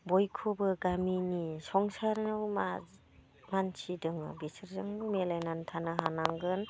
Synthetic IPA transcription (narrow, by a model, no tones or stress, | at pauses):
bɔjkʰobɯɡaminisɔŋsaɾnawma | mansʰidɯŋɯ̰bisɯɾzaŋbɯmelajnantʰanaɦanaŋɡɯn